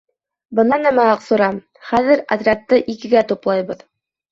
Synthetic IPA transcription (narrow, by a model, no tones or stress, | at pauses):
bɤ̆nɑnæmæɑqsŏɾɑm | χæðɘɾɐ̰t̪rak̚t̪ːɤʔikɘ̆ɡæt̪uplˠɑjbɤð